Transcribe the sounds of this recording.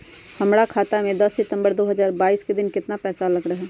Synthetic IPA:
hɐmɾakʰaːt̪amẽd̪ɐsːɪt̪ə̃mbəɾd̪oːɦəzaːɾbaːiːsked̪ɪnkɪt̪napɛːsalɐɡɽəɦɛː

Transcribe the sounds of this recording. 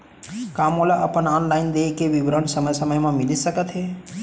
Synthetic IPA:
kamolaʔəpəɳɔnlaind̪ekeʋiʋɾəɳsəməjsəməjmãmiliʃəkət̪ʰɦe

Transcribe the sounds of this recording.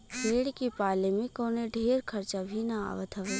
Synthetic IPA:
peːɽkipaːlemẽkoːneɖʱeːɾkʰɐɾt͡ʃabʱinaa̰ːʋət̪ʰəʋe

